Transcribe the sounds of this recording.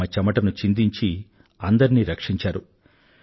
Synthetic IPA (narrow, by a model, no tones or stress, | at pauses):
ɐt͡ʃɐmɐʈɐnut͡ʃind̪iɲt͡ʃi | ɐnd̪ɐɾiniːɾɐkʂiɲt͡ʃaːɾu